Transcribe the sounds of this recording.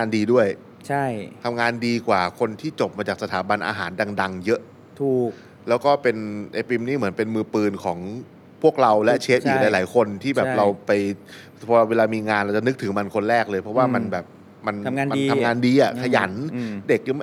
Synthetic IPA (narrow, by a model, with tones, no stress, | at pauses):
ŋaː˧ndiː˧du˥˩əj | t͡ɕʰa˥˩jt̪ʰa˧mŋaː˧ndiː˧kwaː˨˩kʰo˧nt̪ʰiː˥˩t͡ɕo˨˩p̚maː˧t͡ɕaː˨˩k̚sa˧t̪ʰaː˩˦ba˧nʔa̰ː˧ɦaː˩˦nda˧ŋda˧ŋjɤ˦˥ʔ | t̪ʰuː˨˩k | lɛː˦˥wkɔː˥˩pe˧nʔe˧pi˧mniː˥˩mɯ˩˦ənpe˧nmɯː˧pɯː˧nkʰɔː˩˦ŋ | pʰu˥˩ək̚ɾa˧wlɛ˦˥ʔt͡ɕʰeː˦˥p̚ʔiː˨˦˩laː˨˩˦jlaː˩˦jkʰo˧nt̪ʰiː˥˩bɛː˨˩p̚ɾa˧wpa˧j | pʰɔː˧weː˧laː˧miː˧ŋaː˧nɾa˧wt͡ɕa˨˩nɯ˦˥k̚t̪ʰɯ˩˦ma˧nkʰo˧nɾɛː˥˩k̚lɤː˧jpʰɾɔ˦˥waː˥˩ma˧nbɛː˨˩p̚ | ma˧nŋː˧a˧nʰ˧a˧ŋaː˧ndiː˧ʔa˨˩kʰa˧ja̰˩˦nde˨˩k̚